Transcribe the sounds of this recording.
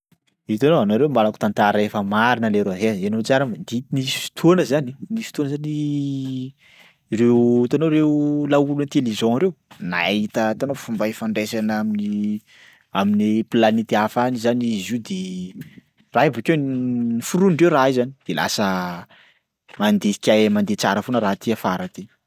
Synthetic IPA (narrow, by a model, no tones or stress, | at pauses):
it̪anoanoɾewmbalaku̥t̪ant̪aɾəefəmaɾinəleɾoaɦeenot͡saɾəmd̪inisi̥fi̥t̪ʰuonəzaninisfi̥t̪uonəzani | rewit̪anoɾewlaulunt̪elizɔ̃aɾewna̰it̪ət̪anofumbaifaɳɖ͡ʐesanamini | aminiplanit̪iafanizanizid̪e | raibukewnifuɾuɳɖ͡ʐewraizani̥d̪̥ela̰sə | mand̪ei̥kʲajmand̪et͡saɾəfonəɾat̪iafaɾat̪e